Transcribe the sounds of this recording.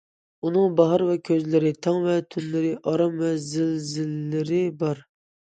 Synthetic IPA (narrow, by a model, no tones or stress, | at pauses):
unɨŋbɑɦɑɾvɛkʲʰøzlɪɾɪt̪ʰɑŋvɛt̪ʰynlɪɾɪʔɑɾɑmːɛzɪlzɪlːɪɾɪbɑɾ